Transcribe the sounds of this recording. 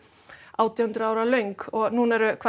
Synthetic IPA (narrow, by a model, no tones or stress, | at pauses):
ʔawt̪ɪhʉnd̪ɾəaːwɾalœŋkɔɣnuːnɛɾʏkʰva